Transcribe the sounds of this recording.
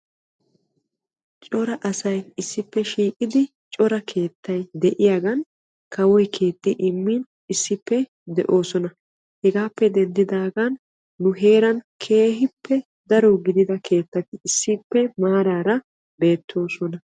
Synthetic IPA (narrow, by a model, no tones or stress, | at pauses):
t͡ʃʼɔɾɐʔɐsɐjɪsːɪpːɛʃiːkʼɪd̪ɪ | t͡ʃʼɔɾɐkʰe̞ːt̪ʰːɐjd̪ɛʔɪjaːɡɐn | kɐwɔjkʰe̞ːt̪ːɪʔɪmːɪn | ɪsːɪpːɛ | d̪ɛʔo̞ːsɔnɐ | hɛɡaːpːɛd̪ɛnd̪ɪd̪aːɡanː | ʊɦe̞ːɾɐnkʰe̞ːɦɪpːɛ | d̪ɐɾɔɡɪd̪ɪd̪ɐkʰe̞ːt̪ːɐt̪ɪːsːɪpːɛmaːɾaːɾɐ | be̞ːt̪ʰːo̞ːsɔnɐ